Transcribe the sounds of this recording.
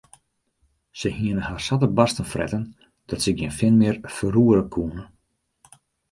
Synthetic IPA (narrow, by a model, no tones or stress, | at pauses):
səhiənəhaːrsatəbastənfrʔɛ̰tən | d̥ɔtsəɡiənfɪnmɪərfəruəɾəkʰuənə